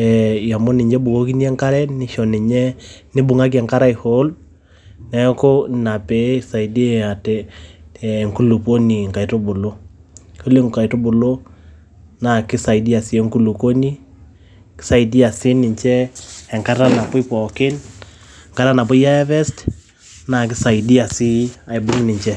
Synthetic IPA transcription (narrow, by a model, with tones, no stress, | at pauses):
ɛ˨ja˨mo˦nɪ˨ɲd͡ʒɛ˦bu˨ko˦ki˦ni˦ɛ˦ŋka˦ɾɛ˦nɪ˦ʃɔ˨nɪ˨ɲɛ˦nɪ˦bu˨ŋa˦k̬i˦ɛ˨ŋka˦ɾa˦i˨ho˨˦l | nɛ˦ko˦na˨pe˨˦˨sa˨i˨de˦a˨tɛ˦˨ | ŋku˦lu˨po˦ni˨ŋka˨i˨to˦bo˨lo˦ | ko˦le˦ŋka˨i˨to˦bo˨lo˦ | na˨kɪ˦sa˨i˨di˦a˨si˨e˦ŋku˦lu˨ko˦ni˦ | kɪ̥˦sa˦i˨di˦a˨sɪ˦nɪ˨ɲt͡ʃɛː˦˨ŋka˦ta˦na˨pʊ˦pɔ˨kɪ˦n | ŋka˦ɾa˦na˨p̬ʊ˦i˦a˦ɛ˦βɛ˦st | na˨k̬ɪ˦sa˨i˨di˦a˨si˦a˨i˨bʊ˦ŋ˦nɪ˨ɲt͡ʃɛ˦